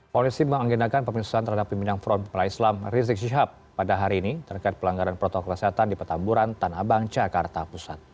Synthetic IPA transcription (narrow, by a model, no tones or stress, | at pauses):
polisiməŋaŋɡinakanpəmisu̥ant̪ərhadapːimbinaŋfɾɔnpəplaislamrizɪk̚ʃiɦapːadaɦaɾiːnit̪ərkajt̪̚pəlaŋɡaɾanpɾɔt̪ɔkəlaseɦat̪andipərt̪ambuɾant̪anabaŋt͡ʃakart̪apusat̪̚